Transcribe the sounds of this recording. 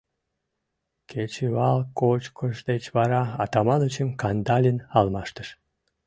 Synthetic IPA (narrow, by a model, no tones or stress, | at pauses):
kʰet͡ɕeβɑlkot͡ɕkʰəʃd̪et͡ɕβɑɾɑɑt̪ɑmɑnoət͡ɕəmkɑnd̪ɑlʲinɑlmɑʃt̪əʃ